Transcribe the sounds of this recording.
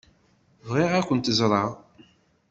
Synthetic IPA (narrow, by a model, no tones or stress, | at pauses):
vʁiʁækʷːənt̪əzɾˤəʁˤ